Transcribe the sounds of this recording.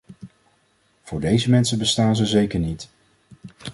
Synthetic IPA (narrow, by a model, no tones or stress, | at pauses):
v̥ʊːɹdejzəmɛnsəbəstaːnzəzejkəɹnit